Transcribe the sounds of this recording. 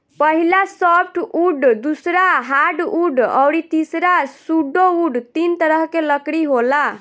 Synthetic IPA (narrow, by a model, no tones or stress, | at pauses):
pəɦilasɔpʰʈuɖd̪usɾaɦaɖuɖə̰wɽit̪isɾasuɖːouɖt̪int̪əɾəɦkeləkɽiɦola